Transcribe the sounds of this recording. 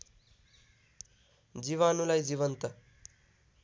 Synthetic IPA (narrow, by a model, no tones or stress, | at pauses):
d͡ziʋanulajd͡ʑiʋənt̪ə